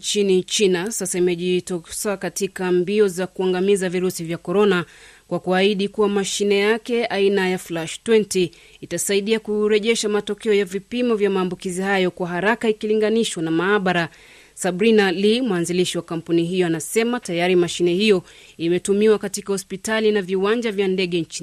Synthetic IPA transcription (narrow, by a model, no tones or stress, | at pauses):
nt͡ʃinit͡ʃinasasaimɛʄitɔsakatikambiɔzakuaŋɡamizaviɾusivjakɔɾɔna | kwakuaiɗikuwamaʃinɛjakɛainajaflaʃtwɛntiː | tasaiɗiakuɾɛʄɛʃamatɔkɛɔjavipimɔvjamaːmbukizihajɔkwaɦaɾakaikiliŋɡaniʃwanamaːɓaɾa | sabɾinalimwanziliʃiwakam̩puniɦijɔanasɛmatajaɾimaʃinɛhijɔ | imɛtumiwakatikahɔspitalinaviwaɲd͡ʒavjandɛɠɛnt͡ʃin